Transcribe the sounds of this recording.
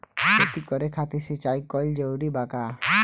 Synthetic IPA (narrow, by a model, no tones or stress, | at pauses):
pɔt̪ikɔɾekʰat̪iset͡ʃaikɔld͡ʒewɽibaka